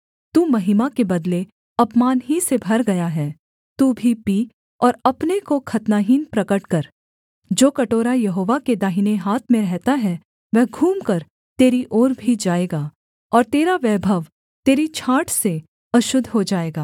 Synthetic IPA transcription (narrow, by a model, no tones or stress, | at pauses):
t̪uːmɐɦɪmakebɐd̪le | ɐpmaːnɦisebʱɐɾɡɐjaɦɛː | t̪uːbʱipiː | ɔːɾɐpnekokʰɐt̪naːɦiːnpɾɐkəʈkɐɾ | d͡ʒoːkɐʈoːɾajɐɦoːʋaked̪aːɦineɦaːt̪ʰmẽɾɛɦt̪aɦɛ | ʋɛɦɡʱuːmkɐɾ | t̪eːɾiʔɔːɾbʱid͡ʒaːeːɡaː | ɔːɾt̪eːɾaʋɛːbʱəʋ | t̪eːɾit͡ʃʰaːʈʰse | ɐʃʊd̪ʱɦod͡ʒaːeːɡaː